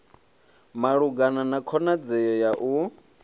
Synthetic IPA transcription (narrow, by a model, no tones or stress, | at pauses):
maɺuɡananakʰɔnad͡zɛjɔjaʔu